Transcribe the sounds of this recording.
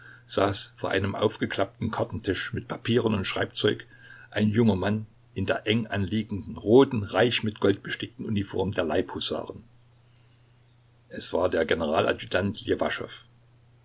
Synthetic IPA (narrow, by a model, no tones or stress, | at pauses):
z̥aːsfoːɐʔa̰ɪnəmʔa̰ʊfɡ̥əkl̥ap̚tn̩kʰaɐtn̩tʰɪʃmɪt̚pʰapʰiːʁənʊntʃʁ̥aɪpt͡sɔʏk | ʔaɪnjʊŋɐman | ʔɪndeːɐʔɛŋʔanliːɡŋ̩dn̩ʁoːtn̩ʁaɪçmɪtɡ̥ɔlt̚b̥əʃtɪk̚tn̩ʔunifɔɐmdeːɐlaɪphoza̰ːʁən | ʔɛsv̥aːɐdeːɐɡenəʁaːlʔa̰d͡ʒydantʰjevaʃɔ̰f